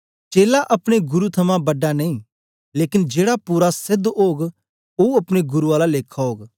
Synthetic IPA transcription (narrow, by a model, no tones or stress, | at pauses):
t͡ʃeːlaʔɐpɽ̃eɡʊɾut̪ʰɐmãbɐɖanɐĩ | leːkɪnd͡ʒeːɽapuɾasɪd̪oːɡ | oɐpɽ̃eɡʊɾuaːlaleːkʰːaɦoːɡ